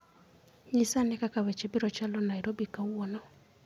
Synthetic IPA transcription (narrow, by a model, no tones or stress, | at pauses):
ɲisanɛkakawɛt͡ʃɛbiɾɔt͡ʃalɔnaiɾobikawwɔnɔ